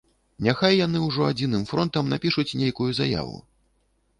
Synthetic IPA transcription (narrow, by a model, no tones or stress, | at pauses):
nʲaxajːan̪ɨwʐɔad͡zʲinɨmfɾɔnt̪ɐmnapʲiʂut͡sʲnʲejkujuzaja̰vṵ